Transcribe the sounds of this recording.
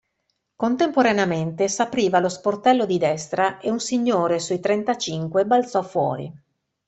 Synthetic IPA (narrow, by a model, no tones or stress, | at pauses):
kont̪empoɾaneament̪esapɾiːvalosport̪ɛlːod̪id̪ɛst̪ɾaeunsiɲːoːɾesuit̪ɾent̪at͡ʃiŋkwebalt̪sɔfwɔ̰ːɾḭ